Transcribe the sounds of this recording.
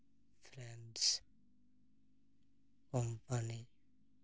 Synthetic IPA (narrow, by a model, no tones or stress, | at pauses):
fɾɛ̃nɖs | kɔmpani